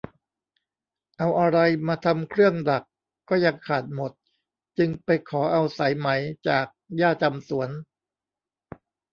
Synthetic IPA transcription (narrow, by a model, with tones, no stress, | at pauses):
ʔa˧wʔa˧ɾa˧jmaː˧t̪ʰa˧mkʰɾɯ˥˩əŋda˨˩kː | ɔː˥˩ja˧ŋkʰaː˨˩t̪̚mo˨˩t̪̚ | t͡ɕɯ˧ŋpa˧jkʰɔː˩˦ʔa˧wsa˩˦jma˩˦jt͡ɕaː˨˩k̚jaː˥˩t͡ɕa˧msu˩˦ən